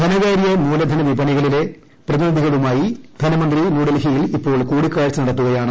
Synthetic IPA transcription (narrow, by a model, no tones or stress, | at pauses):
d̪ʱɐnɐɣaːɾijɐmuːlɐd̪ʱɐnɐʋibʱɐɳiɣɐɭile̞ | prɐðinid̪ʱiɣɐɭumaːjid̪ʱɐnɐmɐnd̪rinuːɽɐlɡijilipːo̞ːɭkuːɽikːaːɻt͡ɕːɨnɐɽɐt̪ːuɣɐjaːɳɨ